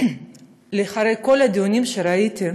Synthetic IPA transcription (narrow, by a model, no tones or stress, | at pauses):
leχaɾe̞jko̞lad̪ijunʲimʃeɾait̪i